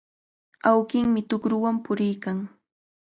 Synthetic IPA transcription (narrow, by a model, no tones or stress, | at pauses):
awkɪŋmɪt̪ʊkɾʊwampʊɾɪjkaŋ